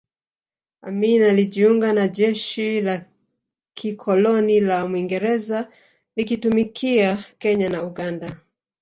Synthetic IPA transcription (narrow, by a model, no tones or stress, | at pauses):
aminaliʄiuŋɡanaʄɛʃila | kikʰɔlɔnilamwiŋɡɛɾɛza | likitumikʰiakɛɲanauɡanda